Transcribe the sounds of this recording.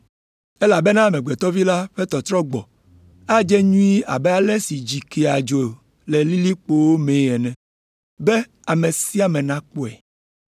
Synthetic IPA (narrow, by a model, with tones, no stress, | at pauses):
e˦la˨be˦nã˦˨mẽ˨ɡ͡be˨t̪ɔ˦vi˦la˦ɸe˦t̪ɔ˨t̪ɾɔ˦ɡ͡bɔ˨ | a˦d͡ʒɛ˦ɲũ˦i˦a̰˨bɛ˦a˦lɛ˦si˨d͡ʒi˨ke˨a˨d͡ʒo˨ | le˨li˦li˦k͡po˦wo˦mẽ˨jɛ˨nɛ̃˨ | be˦ | a˨me˨si˦a˨mẽ˨nã˦k͡po˦ɛ˨